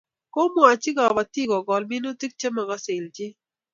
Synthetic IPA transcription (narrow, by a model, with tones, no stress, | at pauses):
ko˦mɔ˨a˨t͡ʃɪ˦ɡɔ˨ba˨ti˦ɡɔ˨ɡɔ˨lmɪ˦no˦ti˦k̚t͡ʃe˦ma˨ɡɔ˦sɪ˨ld͡ʒɪ˦